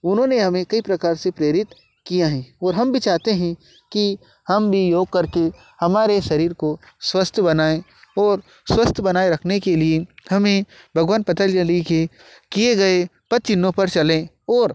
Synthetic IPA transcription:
ʊnɦõːneɦɐmẽkɐipɾɐkaːɾsepɾeːɾɪt̪ | kijaɦɛ̃ɔːɾɦɐmbʱit͡ʃaːt̪eɦɛ̃ | ki | hɐmbʱijoːɡ̚kɐɾke | hɐmaːɾeʃɐɾiːɾko | swɐst̪ʰjbɐnaːẽ | ɔːɾ | swɐst̪ʰjəbɐnaːeɾɐkʰnekeliehɐmẽ | bʱɐɡwaːnpɐt̪əld͡ʒəlike | kieɡɐepɐt̪̚t͡ʃɪnːõpɐɾt͡ʃɐlẽ | ɔːɾ

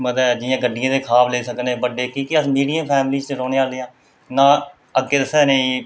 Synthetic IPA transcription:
məd̪əɛːd͡ʒɪjãːɡəɖɪjãːd̪eːkʰaːbleːsəkneːbəɖːeːkiːkiəsmiːɖijə̃pʰɛːmliːd͡ʒt͡ʃeɾoːneːaːleːãː | nãː | əɡːeːd̪əsɛːnẽĩː

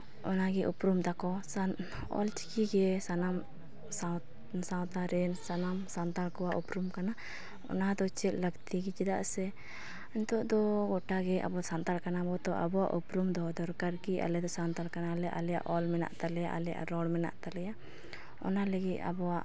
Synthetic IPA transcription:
ɔnaɡɛʔupɾumt̪akɔs | ɔ̰lt͡ʃi̥kiɡɛsanam | sa | sawt̪aɾɛnsanamsant̪aɾkɔwaʔupɾumkana | ɔ̰nad̪ɔt͡ʃɛt̪̚ləɡt̪iɡɛt͡ʃid̪aʔsɛ | ɛnt̪ɔʔd̪ɔɡɔʈaɡɛʔa̰bɔsant̪alkanabɔt̪ɔʔa̰bɔwa̰ʔupɾumd̪ɔd̪ɔɾkaɾkia̰lɛd̪ɔsant̪aɾkanalɛʔalɛja̰ʔɔlmɛna̰ʔt̪alɛja̰ʔalɛja̰ʔɾɔɽmɛna̰ʔt̪alɛja | ɔ̰naləɡit̪̚a̰bɔwaʔ

